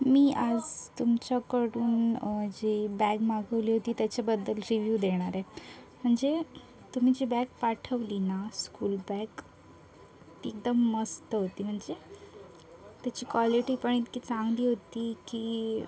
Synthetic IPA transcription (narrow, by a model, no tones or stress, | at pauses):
miːʔad͡zt̪umt͡ɕakəɽuːnd͡ʑiːbæɡmaɡəʋliːɦot̪iːt̪jat͡ɕabəd̪ːəlɾiʋjuːd̪eɽ̃aɾe | m̤əɳd͡ze | t̪um̤iːd͡ʑiːbæɡ̚paʈʰəʋliːnaskuːlbæɡ | t̪iek̚d̪əmːəst̪əɦot̪iːm̤əɳd͡ze | t̪jat͡ɕiːkʋaliʈiːpəɳ̃it̪kiːt͡saŋɡliːɦot̪iːkiː